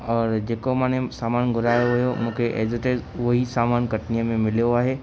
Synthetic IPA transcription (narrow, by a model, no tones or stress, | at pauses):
ɔːɾd͡ʑeːkomãːñesaːmaːnɡʱʊɾaːjoʋɪjomũːkʰeʔeːzɪʈeːzʋɐɦisaːmaːnkɐʈnijəmẽmɪlijoaːɦe